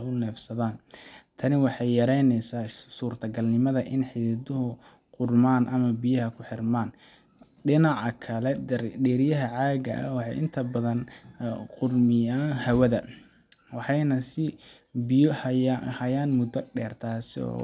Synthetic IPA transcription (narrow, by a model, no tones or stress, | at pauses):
ʊnɛːfsɐðaːnt̪ʰɐnɪwɑħɑjːɐɾɛjnɛjsaːsuːrt̪ʰɐɡɐlnɪmɐðɐʔɪnħɪðɪðʊɦʊ | qʊrmaːnʔɐmɐbɪjɐɦɐkʰʊħɪrmaːn | ɖɪnɑʕɑkʰɐlɛɖɛːɾɪjɐɦɐʕaːɣɐ̰ʔɐwħɑjɪnt̪ʰɐbɐðɐnqʊrmɪjaːnhɐwɐðɐ | wɑħɑjnɐsɪ | bɪjɔhhɐjaːnmʊd̪ɐɖɛːrt̪ʰaːsɪɔ̰ː